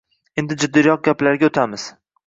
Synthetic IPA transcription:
e̞nd̪ɪd͡ʒʊd̪ːijɒq̚ɡʲaplaɾɡʲaot̪ʰamɪz̥

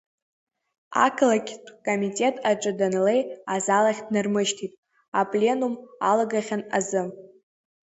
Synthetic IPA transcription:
a̰kʰlakʲʰtʰʼkʼomitʼe̞tʼaʈ͡ʂʷʼɨdanlejazalaχʲdnɨrmɨʃtʰitʼ | apʼlʲe̞numalaɡaχʲana̰zɨ

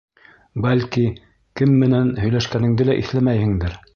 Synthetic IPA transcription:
bælʲki | kɘmːɘ̆nænhɵ̆jlæʃkænɘ̆ŋd̪ɘlæʔḭθlæmæjhɘ̆ŋd̪ɘɾ

